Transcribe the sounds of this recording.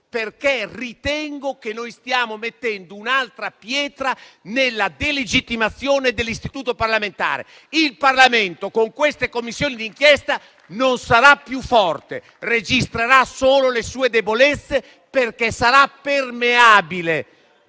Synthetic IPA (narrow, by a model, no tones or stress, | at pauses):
perkerit̪ɛŋɡok̟enːojst̪jaːmomet̪ːɛnd̪ounalt̪ɾapjɛːt̪ɾanelːad̪eled͡ʒit̪ːimat̪sːjoːned̪elːist̪it̪uːt̪oparlament̪a̰ːɾḛ | ilparlament̪okoŋkwest̪ekomːisːjoːnid̪iŋk̟jɛst̪a | nonsaɾapːjufːɔrt̪ḛ | red͡ʒist̪ɾeɾasoːlolesuːed̪ebolɛt̪sːe | perkɛsaɾapːermeaːbile